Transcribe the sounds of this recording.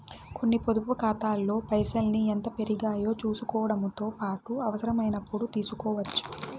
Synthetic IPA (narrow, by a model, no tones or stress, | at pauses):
kʰo̞nːipo̞d̪upukaːt̪aːlːo̞ːpɐjsɐlnient̪ɐpe̞ɾiɡaːjo̞ːt͡ʃuːsukɔːʋɐɽɐmut̪o̞ːpaːʈuɐʋɐsɐɾɐmɐjnɐpːuɽut̪iːsukɔːʋɐt͡ʃːu̥